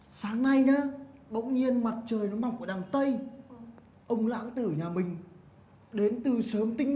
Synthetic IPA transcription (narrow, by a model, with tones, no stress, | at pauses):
saː˨˦ŋna˧jnaː˨˦ɓə̰˧˥wŋ͡mɲi˧ənma˨˩t̚t͡ɕəː˨˩jnɔ˨˦mɓa˨˩ŋ͡mku˧˩ɗaː˨˩ŋt̪ə˧j | ʔə˧wŋ͡mla̰ː˧˥ŋt̪ɨ˧˩ɲaː˨˩mï˨˩ŋ̟ | ɗe˨˦nt̪ɨ˨˩səː˨˦mt̪ï˧ŋ̟